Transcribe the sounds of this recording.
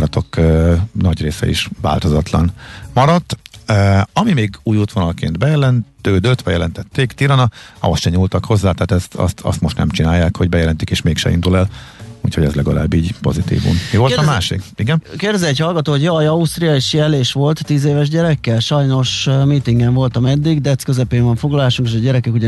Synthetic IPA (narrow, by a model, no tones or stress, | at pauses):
ɾɒt̪ʰo̞kːnɒɟreːsɛ̰ḭʃva̰ːlt̪o̞zɒt̪lɒ̰nmɒɾɒt̪ː | ɒmimeːɡuːjuːt̪ʋonɒlkḛːnt̪bɛjɛlɛnt̪d̪øːd̪øt̪bɛjɛlɛnt̪ɛt̪ːeːkt̪iɾɒnɒɒ̰osʃɛɲuːlt̪ɒkho̞zːaːt̪aɦːt̪ɛst̪ʰɒ̰st̪ʰɒ̰st̪mo̞ʃt̪nɛ̰mt͡ʃinaːjːaːkhoɟbɛjɛlɛnt̪ikeːʃmeːkʃɛ̰ḭnd̪ulɛlṵːchoɟɛ̰zlɛɡɒla̰ːbːiːɟpo̞̰zit̪ḭːvṵnmivo̞lɒmaːʃikiɡɛnkeːrd̪ɛzɛɛchɒlɡɒt̪oːhoɟjojɒust̪rijɒeʃjɛleːʃʋo̞lt̪ːiːzeːvɛʒɟɛɾɛkːɛlʃɒjno̞ʃmiːt̪iŋɡɛɱvo̞lt̪ɒmɛd̪ːiɡd̪ɛt̪skø̞zɛpeːɱvɒɱfo̞ɡlɒlaːʃuŋkeʃɒɟɛɾɛkɛkuɟɛ